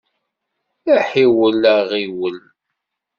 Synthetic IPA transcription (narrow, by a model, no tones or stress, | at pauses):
æħiwələʁiwəl